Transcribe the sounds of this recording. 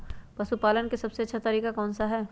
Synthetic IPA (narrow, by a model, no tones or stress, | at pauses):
pɐsupaːlənkesɐbseɐtːʃʰat̪ɐɾiːkakɔːnsaɦɛː